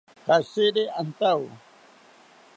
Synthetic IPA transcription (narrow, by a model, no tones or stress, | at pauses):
kaseɾeant̪aw